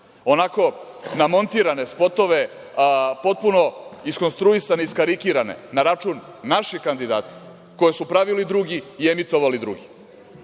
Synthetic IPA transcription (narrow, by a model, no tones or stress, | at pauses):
o̞nako̞ | namo̞nt̪iːɾane̞spo̞t̪o̞ʋe̞ | po̞t̪̚puno̞isko̞nst̪ɾuisaneiskaɾikiɾane̞̰naɾat͡ʃuːnːaʃikand̪id̪a̰ːt̪i̥ | ko̞jesupɾaʋilid̪ɾuɡiːemit̪o̞ʋalid̪ɾṵɡi